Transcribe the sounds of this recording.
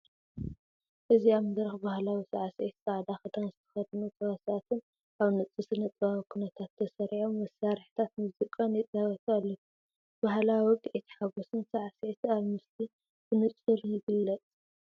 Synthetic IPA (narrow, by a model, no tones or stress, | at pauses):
ʔɨziamɨd̪ɾɐxbahlawisaʕaset̪saʕd̪axɐt̪ʰanzɨt̪ʰɐ̥xɐd̪nut͡sʼɐwɐsat̪ʰɨn | ʔaβnɨt͡sʼːɨsɨnɐt͡sʼaɐkʰunɐt̪ʰat̪ʰːɐsɐɾʕommːɐsːaɾħt̪ʰat̪muzikʼɐnjɛt͡sʼawɐt̪ʰualːɐku | b̥aɦlawiwʊkʼʕit̪ʰħaɡosɨnsaʕaset̪aβmɨsli | b̥ɨnɨt͡sʼɨɾjɪɡɨlːɐt͡sʼ